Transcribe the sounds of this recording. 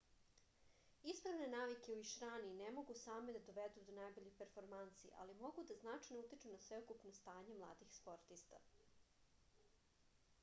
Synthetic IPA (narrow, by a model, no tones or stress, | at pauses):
ispɾaʋne̞naːʋike̞uiʃɾaːninemo̞ɡusaːme̞d̪ad̪oʋed̪ud̪onaːjbo̞ʎipeɾfo̞ɾmant̪sḭʔa̰limo̞ɡud̪aznat͡ʃajnout̪it͡ʃunasʋe̞okupnost̪aːɲe̞mlˠa̰ːd̪ixspo̞ɾt̪ist̪a